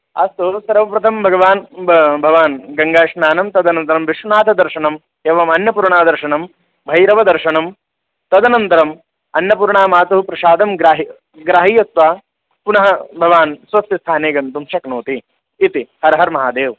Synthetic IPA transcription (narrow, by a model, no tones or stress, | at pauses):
ɐ̰st̪usɐɾʋɐpɾɐt̪ʰɐmbʱɐɡɐʋaːnbʱɐʋaːnɡɐŋɡaːʃnaːnɐmt̪ɐd̪ɐnɐnt̪ɐɾɐmʋiʂunaːt̪ʰɐd̪ɐɾʂɐɳɐm | eːʋɐmɐnjɐpuːɾɳaːd̪ɐɾʃɐɳɐm | bʱɐjɾɐʋɐd̪ɐɾʂɐɳɐm | t̪ɐd̪ɐnɐnt̪ɐɾɐm | ɐnjɐp̬uːɾɳaːmaːt̪uɦupɾɐʃaːd̪ɐmɡɾaːɦi | ɡɾaːɦiːjɐsʋaː | punɐɦɐbʱɐʋaːnsʋɐst̪jɐst̪ʰaːneːɡɐnt̪umʃɐknoːt̪iː | t̪ihɐɾɐɦɐɾmɐɦaːd̪eːʋ